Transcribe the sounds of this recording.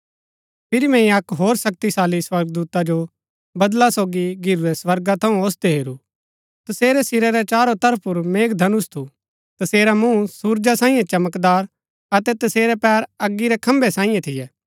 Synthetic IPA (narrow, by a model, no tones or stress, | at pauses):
pʰɪɾimɛ̃ĩɐkɦoːɾsɐk̚t̪isaːliswɐɾɡd̪uːt̪ad͡ʒo | bɐd̪lasoːɡiɡʱɪɾuɾɛswɐɾɡat̪ʰɐũoːsd̪eɦeːɾu | t̪ɐseːɾɛsɪɾɛɾɛt͡ʃaːɾot̪ɐɾpʰʊɾmeːkd̪ʱɐnʊst̪ʰu | t̪ɐseːɾamũsuːɾd͡ʒasãːĩjẽt͡ʃɐməkd̪aːɾ | ɐt̪ɛt̪ɐseːɾɛpɛːɾɐɡːiɾɛkʰɐ̃mbɛsãːĩjẽt̪ʰɪjɛː